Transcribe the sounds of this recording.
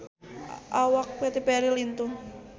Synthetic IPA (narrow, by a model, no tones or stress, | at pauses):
ʔawak̚pet̪ipɛɾilint̪u